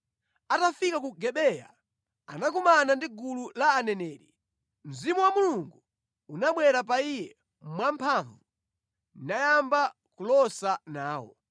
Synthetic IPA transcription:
atafikakuɡɛɓɛja̰ | anakumanandiɡululaːnɛnɛːɾi | m̩zimuwamuluŋɡu | unaɓwɛɾapaijɛ | mwampʰaɱvu | najamba | kulɔsanaːwɔ̰

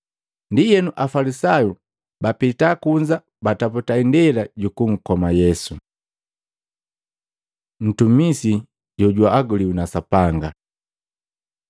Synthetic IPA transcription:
ndijɛnuʔafalisaju | bapitakuɲd͡ʒa | bataputaindɛlaɟukuŋ̩kɔmajɛsu | n̩tumisi | ɟɔɟwaːɡuliunasapaŋɡa

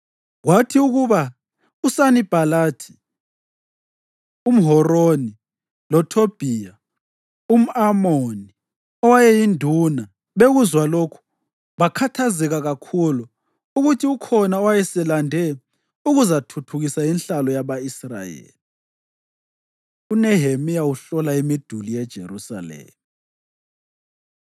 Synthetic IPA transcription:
ɣwatʰiuɣuβa | usanib̥ʱalaːtʰi̥ | um̩ɦɔroni | lɔtʰob̥ʱija | um̩amoni | ɔwajɛjindʱuna | βeɣuzwalokʰu̥ | βakʰatʰazɛɣaɣakʰuluː | ɣutʰiukʰɔnaɔwajɛsɛlandʱɛ | uɣuzatʰutʰuɣisajinɬalɔjaβaisra̰jḛːli | unɛɦemijauɬɔlaemid̥ʱulijɛd̥ʒ̥ʱḛrusa̰lḛːmu

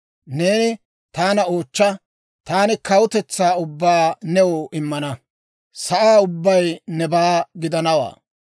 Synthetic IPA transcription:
neːnɪ | t̪aːnɐoːt͡ʃːɐ | t̪aːnɪkɐwʊt̪ɛt͡sːaːʊbːaːnɛwoːʔɪmːɐnɐ | sɐʔaːʊbːɐjnɛbaːɡɪd̪ɐnɐwa̰ː

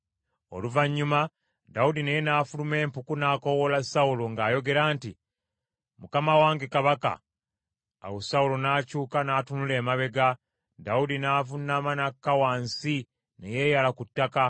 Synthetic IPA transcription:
o̞̰luvaɲːuma | daudinejenaːfulume̞ːmpukunaːko̞wolasauloŋɡaːjo̞ɡe̞ɾaːnti | mukamawaːŋɡekaβaka̰ː | wosaulonaːcuːkanaːtunule̞ːmaβe̞ɡa | daudinaːvunːaːmanakːawaːnsi | neje̞ːjalakutːaka

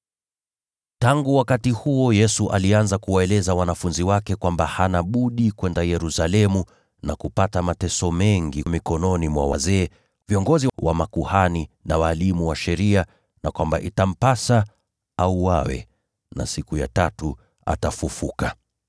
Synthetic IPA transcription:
taŋɡuwakatihuɔjɛsuʔalianzakuwaɛlɛzawanafunziwakɛkwambahanaɓuɗikwɛndajɛɾusalɛmu | nakupatamatɛsɔmɛŋɡimikɔnɔnimwa̰wa̰zɛː | viɔŋɡɔziwamakuhaninawaːlimuwaʃɛɾia | nakwambaʔitam̩pasa | auwawɛ̰ | na̰sikuja̰tatu | a̰tafufuka

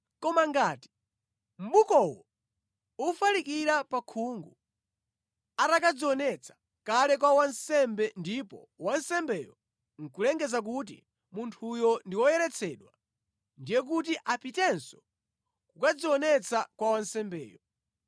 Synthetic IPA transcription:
kɔmaŋɡaːti̥ | m̩ɓukɔwɔ | ufalikiɾapakʰuŋɡu | atakad͡ziɔnɛt͡sʰḁ | kalɛk̬wawansɛmbɛndipɔ̰ | wansɛmbɛjɔ | ŋ̩kulɛŋɡɛzak̬ut̬ḭ | muntʰujɔndiwɔjɛɾɛt͡sʰɛɗwa | ndijɛk̬utiʔapitɛnsɔ̥ | kukad͡ziwɔnɛt͡sʰakwawansɛmbɛ̰ːjɔ

